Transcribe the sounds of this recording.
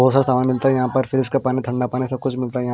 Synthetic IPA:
oːsaɾsaːmaːnmɪlt̪aɦɛjɐɦãpɐɾfʰɪɾɪskapaːnit̪ʰɐ̃ɳɖapaːnesɐb̚kʊt͡ʃʰmɪlt̪ajɐ̃

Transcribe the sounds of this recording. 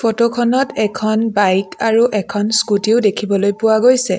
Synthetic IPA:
fʰotokʰɔnɔtɛkʰɔnbajkaɹuʔɛkʰɔnskutiʊdekʰibɔlojpʊwaɡojsɛ

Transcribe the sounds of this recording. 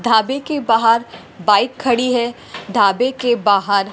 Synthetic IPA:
d̪ʱaːbekebaːɦəɾ | baːɪkʰːɐɽiɦɛ | d̪ʱaːbekebaːɦəɾ

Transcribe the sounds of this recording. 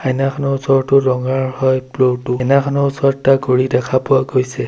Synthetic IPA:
ajnakʰɔnɔʊsɔɹtʊɹɔŋaɹhɔjplotʊjnakʰɔnɔusɔɹtakoɹidɛkʰapʊaɡojsɛ

